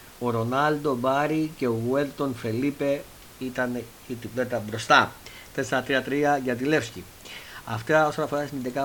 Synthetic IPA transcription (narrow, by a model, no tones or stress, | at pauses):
o̞ɾo̞nɐld̪o̞bɐɾice̞oɣuelt̪o̞nfe̞lipe̞ | it̪ɐn | it̪iplet̪ɐbɾo̞st̪ɐ | t̪esɾɐt̪ɾiɐt̪ɾiɐʝɐt̪ile̞fsci | ɐft̪ɐo̞so̞nɐfo̞ɾɐsinind̪ikɐ